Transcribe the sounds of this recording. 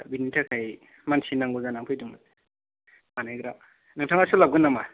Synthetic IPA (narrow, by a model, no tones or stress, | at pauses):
binitʰakʰaj | mansʰinaŋɡuzanaŋpʰɯjduŋat | manajɡɾa | nɯŋtʰaŋasulaɡɯnama